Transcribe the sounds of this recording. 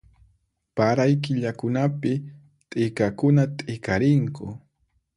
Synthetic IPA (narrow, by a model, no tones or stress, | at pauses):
paɾajkɪʎakʊnapɪ | t̪ʼɪkakʊnat̪ʼɪkaɾɪŋkʊ